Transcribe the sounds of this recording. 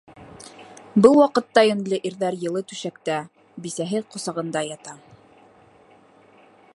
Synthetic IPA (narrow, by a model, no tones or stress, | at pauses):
bɤlˠwɑqɤ̆t̪ːɑjɵ̆nlʲɤʔiɾðæɾjɤ̆lˠɤt̪ʉʃækt̪æ | bisæɦɘqŏsɑʁɤ̆nd̪ɑjɑt̪ɑ